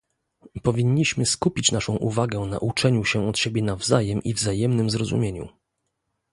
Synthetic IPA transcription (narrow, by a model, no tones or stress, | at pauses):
pɔvʲiɲːiɕmɘskupʲit͡ɕnaʂɔ̃w̃ʔṵvaɡɛɔna̰ʔut͡ʂɛɲuɕɛɔt̪ɕebʲjɛnavzajɛmʔḭvzajɛmnɘmzɾɔzṵmʲjeɲṵ